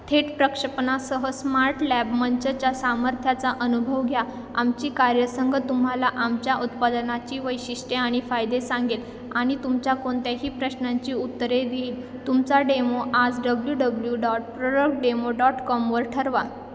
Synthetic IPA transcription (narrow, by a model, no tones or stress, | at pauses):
t̪ʰeʈpɾəkʂəpnasəɦəsmaɾʈlæbməɲt͡ɕət͡ɕjasaməɾt̪ʰjat͡saʔənubʱəʋɡʱja | amt͡ɕiːkaɾjəsəŋɡʱət̪umɦalaʔamt͡ɕjaʔut̪pad̪nat͡ɕiːʋəjɕiʂʈeaɽ̃ifajd̪esaŋɡel | aɽ̃it̪umt͡ɕjakoɳt̪aɦiːpɾəɕnaɲt͡ɕiːut̪ːɾed̪eːl | t̪umt͡saɖemoʔad͡zɖəbljuɖəbljuɖɔʈpɾoɖəkɖemoɖɔʈkɔmʋəɾʈʰəɾʋa